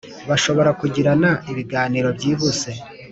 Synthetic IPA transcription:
βaʃo̞βo̞ɾakuɟiɾanaiβiɡaːniɾo̞bɟiːβuse̞

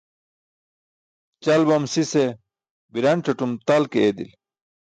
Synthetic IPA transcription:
t͡ɕɐlbɐmsise | biɾɐɳʈ͡ʂɐʈumt̪ɐlkeed̪ḭl

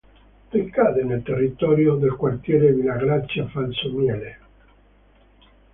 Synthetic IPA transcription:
d̪ekːaːd̪enelt̪erːit̪ɔːɾjod̪elkwart̪jɛːɾevilaɡɾat͡ʃːjafalsomjɛːle

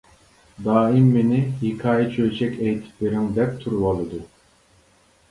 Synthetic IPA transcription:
d̪ɑːimːenɪhikʰɑːjit͡ʃʰøt͡ʃʰɛkʲɛjt̪ʰɪ̥pleɾɪŋd̪ɛp̚t̪ʰuɾuwɑlˠɨd̪u

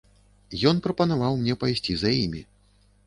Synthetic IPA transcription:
jɔnpɾɐpɐnavawmnʲɛpajsʲt͡sʲizajimʲi

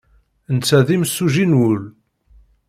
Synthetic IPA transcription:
nt͡sːæðimsːuʒinwʊl

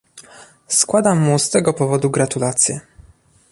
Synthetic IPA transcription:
skwad̪amːust̪ɛɡɔpɔvɔd̪uɡɾat̪ulat̪sʲjɛ

